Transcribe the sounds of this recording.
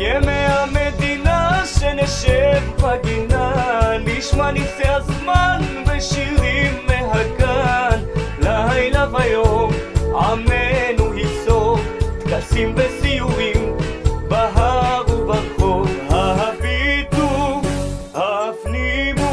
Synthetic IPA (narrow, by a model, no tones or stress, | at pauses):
jemeamed̪inaʃeneʃebpɐɡinaniʃmaniseɐsmaːnʋeʃiimːeɦɐkanlɐɦɐjlaʋɐjo | amenuɦisokɐsimʋesijuʋimbɐɦabubɐkʰoɦɐɦɐfit̪u | afnimu